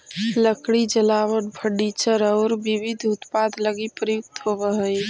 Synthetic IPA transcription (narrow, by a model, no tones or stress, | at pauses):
ləkɽid͡ʒəlawəʈbʱʰəɖit͡ʃəɾɔʊɾbiʋid̪ʱut̪pad̪ʱləɡipɾəjʊk̚t̪ɦobəɦəj